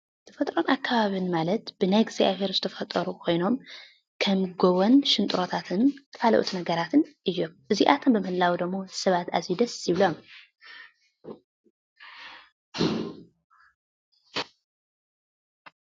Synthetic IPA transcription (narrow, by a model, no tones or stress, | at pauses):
t̪ʰɐ̥fɐt̪ʼɾo̞nʔakʰːaβaβɨnmalɐt̪b̥ɨnajɡza̰βe̞ɾzɨt̪ʰɐfɐt̪ʼːɐɾukʰo̞jno̞m | kʰɐmɡoβonʃɪnt̪ʼɾo̞t̪ʰat̪ʰɨnt̪ʰkʰalɐ̰ʔṵt̪ʰinɐɡɐɾat̪ʰɨnʔɨjːomʔɨziʔat̪ʰombɨmɨhɨlːawd̪ɐmːo̞sɐβat̪a̰zid̪ɐsjɪβlo̞m